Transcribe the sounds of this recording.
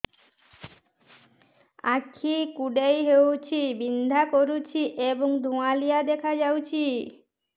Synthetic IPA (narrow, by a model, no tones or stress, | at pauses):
a̰kʰːikuɖejɦewt͡ɕʰibind̪ʱakoɾut͡ɕʰiʔeboŋd̪ʱũalijad̪ekʰad͡ʑawt͡ɕʰi